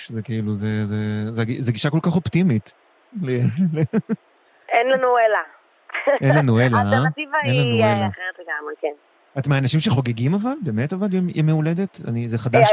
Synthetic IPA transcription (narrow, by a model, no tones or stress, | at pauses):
ʃzekiiluzezezeaɡizeɡiʃakolkaχo̞ptimit̪ | lele | enlanuela | ʔenlanuelat̪aat̪ivannlaueljaχeʁet̪leɡameken | atmeanaʃimʃeχo̞ɡeɡimavalbe̞ːmetavalimimeuled̪et̪a̰nizeχad̪a